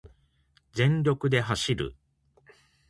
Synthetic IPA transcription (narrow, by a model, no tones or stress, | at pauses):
d͡zẽ̞ɲɾʲo̞kɯ̟d̪e̞ɦaɕiɾɯ̟̰